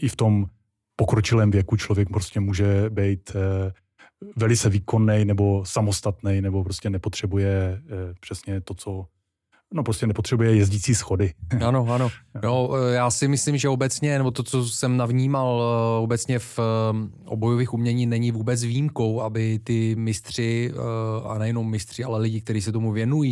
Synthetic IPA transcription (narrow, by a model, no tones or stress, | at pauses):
ʔɪft̪o̞m | pokɾot͡ʃɪlɛːmvjɛkut͡ʃlovjɛk̚pɾoscɛmuːʒɛbɛjt̪ | vɛlɪt͡sɛviːko̞nːɛjnɛbo̞samost̪at̪nɛjnɛbopɾoscɛnɛpot̪r̝̥ɛbujɛpr̝̥ɛsɲɛt̪ot͡so | nopɾoscɛnɛpot̪r̝̥ɛbujɛjɛzɟiːt͡siːsxodɪʔano̞ano̞no̞jaːsɪmɪslɪmʒɛobɛt͡sɲɛnɛbo̞t̪o̞t͡so̞sɛmnavɲiːmalo̞bɛt͡sɲɛf | ʔobo̞joviːxumɲɛɲiːnɛɲɪvuːbɛt͡svijimko̞wʔabɪt̪ɪmɪst̪r̝̥ɪ | a̰nɛjɛnomːɪst̪r̝̥ɪalɛlɪɟɪk̚t̪ɛɾiːsɛt̪o̞muvjɛnujiː